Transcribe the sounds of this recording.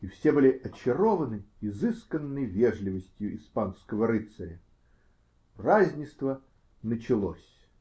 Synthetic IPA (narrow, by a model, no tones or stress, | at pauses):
ifsʲebɨlʲɪʔɐt͡ɕɪɾovənɨizɨskənːɨjvʲeʐlʲɪvəsʲtʲjʊʔispanskəvəɾɨt̪səɾʲə | razʲnʲɪst̪və | nət͡ɕɪlˠo̰sʲ